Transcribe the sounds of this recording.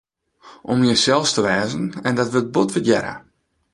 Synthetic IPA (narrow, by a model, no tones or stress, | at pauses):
ʔɔmjəsɛlˠstəʋɛːzənɛndɔtʋəbotʋɪtjɛɾə̰